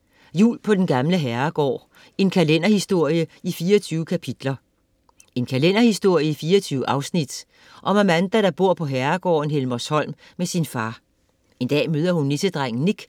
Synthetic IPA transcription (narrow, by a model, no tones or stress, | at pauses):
jṵːlpʰɒ̽d̥enɡ̥ɑ̈mləɦæɐɡ̥ɒ̰ː | e̝nkʰælenɐhisd̥o̝ɐ̰jəifiːɐt͡sʰyːʊəkʰæpʰid̥lɐ | e̝nkʰælen̰ɐhisd̥o̝ɐ̰jəifiːɐɒt͡sʰyːʊəʔɑ̈ʊsnid̥ | ʔɒ̽mæmænd̥æɾ̥ɑ̈b̥o̝ɐ̰pʰɒ̽ɦæɐɡ̥ɒ̰ːn̩ɦelmɒshɒ̽l̰m | mesinfɑ̈ː | e̝nd̥ɛ̰ːmøːð̞ˠɐhunːesəd̥ʁaŋ̰̩niɡ̥